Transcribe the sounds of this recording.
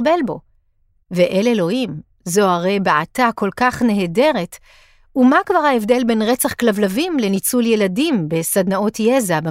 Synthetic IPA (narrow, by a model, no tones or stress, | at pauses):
belbo̞ | veʔelelo̞him | zo̞aʁe̞jbeatako̞lkaχneɦede̞ʁet | umakvaʁhaefde̞lbe̞nʁet͡saχklavlavimle̞nit͡sulje̞ladimbe̞sadnao̞tjezabe